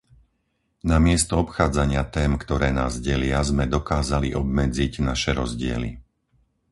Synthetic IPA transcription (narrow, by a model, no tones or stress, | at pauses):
namɪɛst̪ɔɔpxaːd͡zaɲɪat̪ɛːmkt̪ɔɾɛːna̰ːzɟɛlɪazmɛd̪ɔkaːzaliʔɔbmɛd͡ziɟnaʃɛɾɔzɟɪɛ̰lḭ